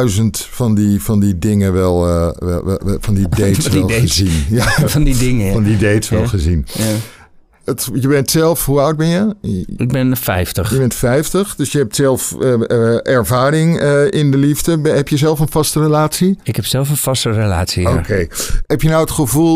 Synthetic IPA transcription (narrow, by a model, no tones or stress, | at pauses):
ɥzəntfɑndivɑndidɪŋənʋɛl̰ˠ | fɑndidejtsʋɛlˠəzinjafnddɪŋəfɑndidejtsʋɛlˠχəzin | ətjəbɛntsɛlˠfɦuʌwd̚bɛnjəɪɡ̚bɛnfɛ̰jftəχjəbɛntfɛjftəχdøsjəɦɛp̚tsɛlˠf | ʔɛɹvaːrɪŋɪndəlivdəbɦɛpjəzɛlˠfənvɑstərəlaːtsiɪkɛpsɛlˠfənfɑstərela̰ːtsiokejɦɛpjənɔwətχəvulˠ